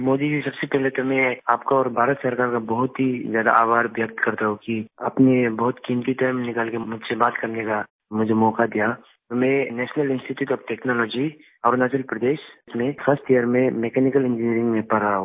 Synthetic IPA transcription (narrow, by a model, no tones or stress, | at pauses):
moːd̪id͡ʒisɐbsepɛɦlet̪omɛ̃aːpkaɔːɾbʱaːɾət̪sɐɾkaːɾkabɐɦʊt̪ɦizjaːd̪a̰aːbʱaːɾʋjək̚t̪kɐɾt̪aɦõkia̰ːpnebɐɦʊt̪kiːmt̪it̪aːɪmnɪkaːlkemʊd͡ʒʱsebaːt̪kɐɾneka | mʊd͡ʒʱemɔːkad̪ija | t̪omɛ̃nɛːʃnəlɪ̃nsʈiʈjuːʈɔːfʈɛːknɔːlɔːd͡ʒi | ɔːɾnɛːt͡ʃəlpɾɐd̪eːʃt̪mẽfʰəsʈijəɾmẽmeːkɛːnɪkəlɪ̃nd͡ʒɪniəɾɪ̃ŋɡmẽpɐɾa